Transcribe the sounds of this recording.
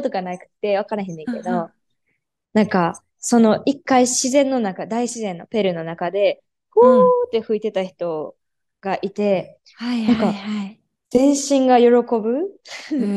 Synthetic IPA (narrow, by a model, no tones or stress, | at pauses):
ot̪oɡanaikɯ̟̥t̪ːe̞β̞akanaɦẽnd̪ẽŋke̞d̪o̞ | nãŋka | so̞no̞ʔikːaiɕizẽ̞nːo̞nakad̪aiɕizẽ̞nːo̞pe̞ɾɯ̟no̞nakad̪e̞ | ɡoːt̪ːe̞ɸɯ̟it̪e̞t̪açi̥t̪o̞ | ɡ̥aʔit̪e̞ | ãŋka | zẽ̞ɰ̃ɕĩŋɡajo̞ɾo̞ko̞bɯ̟